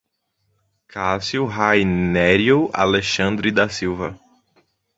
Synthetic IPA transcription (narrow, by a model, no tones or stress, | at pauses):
kʰasiuɦajnɛɾjoa̰leʃɐ̃nd̪ɾid̪asiwvɐ